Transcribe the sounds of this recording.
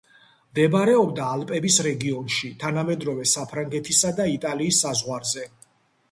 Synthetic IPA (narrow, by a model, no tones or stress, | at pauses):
md̪ɛbaɾɛɔbd̪aːlpʼɛbisɾɛɡiɔnʃit̪ʰanamɛd̪ɾɔvɛsapʰɾaŋɡɛt̪ʰisad̪ait̪ʼaliːsːazʁwaɾzɛ